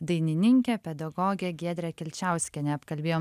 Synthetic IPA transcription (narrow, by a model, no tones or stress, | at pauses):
d̪ɐɪnʲɪnʲɪŋʲkʲɛpʲɛd̪ɐɡɔːɡʲɛɡʲiɛd̪ʲɾʲɛkʲɪlʲt͡ʃʲæˑʊsʲkʲɛnʲɛɐpkɐlʲbʲeːjoː